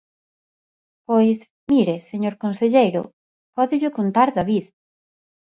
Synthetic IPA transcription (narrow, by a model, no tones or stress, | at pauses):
pojs | miɾeseɲoɾkonseʎejɾʊ̰ | pɔðʊʎʊkont̪aɾðaβið